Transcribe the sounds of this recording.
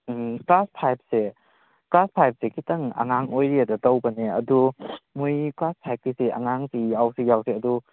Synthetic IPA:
klaspʰajp̚se | klaspʰajp̚sekʰitɐŋa̰ŋaŋojɾiadatɐwbɐneɐ̰dumujklaspʰajp̚kisea̰ŋaŋsijawsejawseɐdu

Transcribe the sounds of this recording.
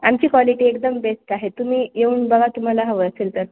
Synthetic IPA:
amt͡ɕiːkʋaliʈiːekd̪əmbesʈaɦet̪um̤iːjeuːnbəɡat̪um̤alaɦəʋəəselt̪əɾ

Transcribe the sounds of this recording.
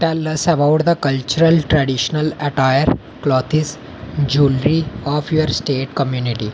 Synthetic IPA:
ʈɛlɐsəbaʊʈd̪əkɐlt͡ʃuɾəlʈɾɛɖiʃnəlɐʈajəɾ | klɔːt̪ʰis | d͡ʒuːlɾiɔːfjoəɾsʈeːʈkəmjuːniʈi

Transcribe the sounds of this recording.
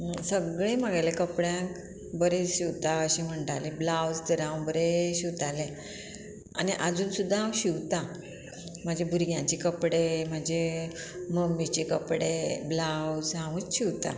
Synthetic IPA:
səɡɭeməɡalekəpɽjãk | bəɾeɕiwt̪aəɕĩm̤əɳʈaliblawd͡zt̪əɾãwbəɾeɕiwt̪alẽ | aniʔəd͡zuːnsud̪ʱːaɦãwɕiwt̪a | m̤əd͡ʑebʱuɾɡjãt͡ɕekəpɽem̤əd͡ʑe | məmːit͡ɕekəpɽeblawd͡zɦãwũt͡sɕiwt̪a̰

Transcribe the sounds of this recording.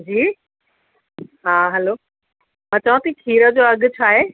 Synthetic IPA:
d͡ʑiː | ɦaːɦɛloː | mãːt͡ɕaʋãt̪ikʰiːɾəd͡ʑoːɐɠʊ̆t͡ɕʰaːɦeː

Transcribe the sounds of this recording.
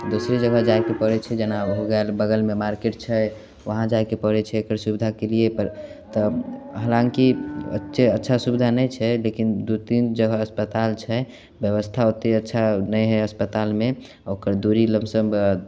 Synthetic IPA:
d̪osɾed͡ʒəɡʱəd͡ʒajkepəɾɛt͡ʃʰɛd͡ʒenaɦoɡɛlbəɡəlmemaɾkeʈ̚t͡ʃʰɛ | ʋəɦãd͡ʒajkepəɾɛt͡ʃʰɛekəɾsubid̪ʱakeliepəɾt̪ɔɦəlãŋkiə̰tːʃʰeətːʃʰasubid̪ʱanɛjt͡ʃʰɛlekind̪ut̪ind͡ʒəɡʱəəspət̪alt͡ʃʰɛ | bjəβəst̪ʰaot̪eətːʃʰanəjɦɛəspət̪alme | okəɾd̪uɾiləmsəm

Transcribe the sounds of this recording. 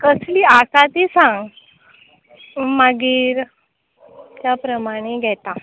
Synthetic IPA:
kəsliasat̪isãŋɡ | maɡiːɾ | t̪japɾəmaɽ̃eɡʱɛt̪a

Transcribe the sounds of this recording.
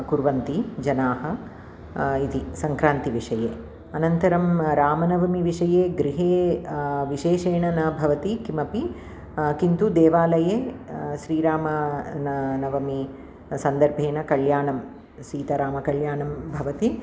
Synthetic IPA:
kuɾʋɐnt̪id͡ʒɐnaːɦɐ | it̪isɐŋkɾaːnt̪iʋiʂɐjḛː | ɐnɐnt̪ɐɾɐmɾaːmɐnɐʋɐmiʋiʂɐjeːɡɾiɦeːʋiʃeːʃeːɳɐnɐbʱɐʋɐt̪ikimɐpi | kint̪ud̪eːʋaːlɐjeːʃɾiːɾaːmɐnɐnɐʋɐmi | sɐnd̪ɐɾbʱeːnɐkɐljaːɳɐm | ʃiːt̪ɐɾaːmɐkɐljaːɳɐmbʱɐʋɐt̪i

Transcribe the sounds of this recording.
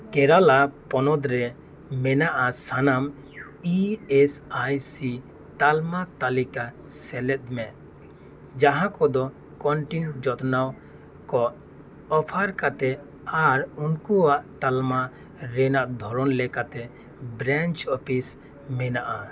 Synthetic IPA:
kɛɾalapɔnɔd̪ɾɛ | mɛnaʔasanam | iɛsajsi | t̪almat̪alika | sɛlɛt̪̚mɛ | d͡ʒaɦãkɔd̪ɔ | kɔɳʈinʈd͡ʒɔt̪naw | kɔʔ | ɔpʰaɾkat̪ɛ | aɾunkuwaʔt̪alma | ɾɛnaʔd̪ʱɔɾɔnlɛkat̪ɛ | bɾant͡ʃɔpʰis | mɛnaʔa

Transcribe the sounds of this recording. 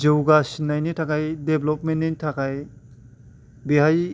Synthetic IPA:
d͡ʒewɡasinːajnitʰakajdeblɔpmenːentʰakaj | beɦaj

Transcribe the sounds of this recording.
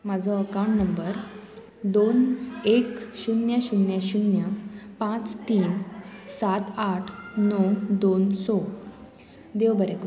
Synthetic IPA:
mad͡zʱɔəkaw̃ɳʈnəmbəɾ | d̪onekɕunjəɕunjəɕunjəpãt͡st̪iːnsat̪aʈʰnɔd̪onsɔ | d̪eʋbəɾeku

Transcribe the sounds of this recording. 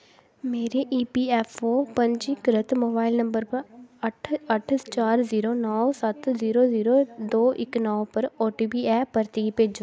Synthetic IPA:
meːɾeʔiːpiːɛːfʰoːpə̃ɲd͡ʒikɾɪt̪moːbaːɪlnə̃mbəɾpəɾəʈʰəʈʰt͡ʃaːɾziːɾonɔːsət̪ziːɾoziːɾod̪oːʔɪ̰knɔːpəɾoːʈiːbiːɛːpəɾt̪ipeːd͡ʒo

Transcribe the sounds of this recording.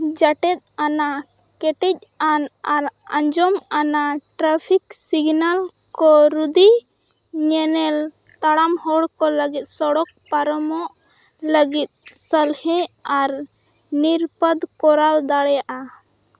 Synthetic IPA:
d͡ʒaʈɛt̪̚ana | kɛʈɛc̚ˀanaɾə̰̃ɲd͡ʒɔmanaʈɾapʰiksiɡnal | kɔɾud̪i | ɲɛnɛl | t̪aɽamhɔɽkɔləɡit̪̚ˀsɔɽɔk̚paɾɔmɔʔ | ləɡit̪̚səlhɛ̃aɾ | niɾpəd̪kɔɾald̪aɽjaʔa

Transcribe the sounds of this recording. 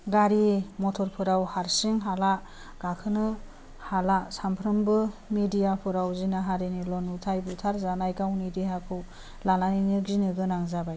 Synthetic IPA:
ɡaɾimɔtʰɔɾpʰɯɾawhaɾsiŋɦala | ɡ̥akʰɯnɯ | halasampʰɾɯmbɯmedijapʰɯɾawzinaɦaɾinilɔnutʰajbutʰaɾzanajkawnidiɦakʰɯw | lananinɯɡzinɯɡɯnaŋzabaj

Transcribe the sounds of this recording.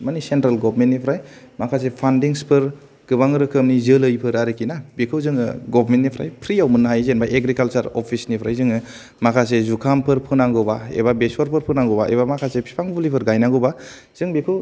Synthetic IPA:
manisentɾalɡɔbɾmentːnipʰɾaj | makʰas̬epʰandiŋspʰɯɾ | ɡ̥ɯbaŋɯɾɯkʰɯmnizɯlɯjpʰɯɾaɾɯkʰinabekʰɯwzɯŋɯ̰ɡɔbɾmentːnipʰɾa̰jpʰɾiawmɯnːɦajzenbaʔeɡɾikalt͡ʃaɾɔpʰisnipʰɾajzɯŋɯ | makʰasezukʰampʰɯɾpʰɯnaŋɡɯbaḛbabeswɔɾpʰɯɾpʰɯnaŋɡɔbaʔḛbamakʰasepʰi̥pʰaŋbɯlipʰɯɾɡajnaɡɯba | z̥ɯŋbekʰɯw

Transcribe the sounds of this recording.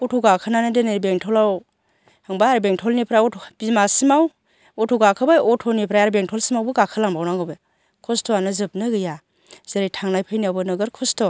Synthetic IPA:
utʰɔɡakʰɯnanɯdenebeŋtʰɔlaw | aŋbaaɾbeŋtʰɔlnipʰɾaɔtʰbizmasimaw | ɔtʰɔɡakʰɯbajɔtʰɔnipʰɾajaɾbeŋtʰɔlsimawbɯɡakʰɯlaŋbawnaŋɡɯbe | kʰɔstɔanɯzɯp̚nɯɡɯja | z̥eɾɯjtʰaŋnajpʰɯjniawbɯnɯɡɯɾkʰɔstɔ

